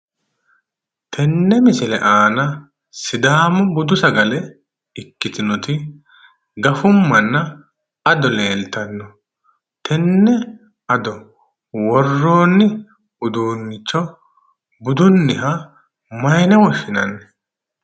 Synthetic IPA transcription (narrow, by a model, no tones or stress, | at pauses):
t̪ʰɛnːɛmɪsɪlɛ̰ʔaːnɐ | sɪd̪aːmɔbʊd̪ʊsɐɡɐlɛ | ɪkːɪt̪ɪnɔt̪ɪ | ɡɐfʊmːɐnːɐ | ɐd̪ɔle̞ːlt̪ɐnːɔ | t̪ʰɛnːɛ | ɐd̪ɔ | wɔrːo̞ːnːɪ | ʊd̪uːnːɪt͡ʃːɔ | bʊd̪ʊnːɪɦɐ | mɐjɪnɛwɔʃɪnɐnːɛ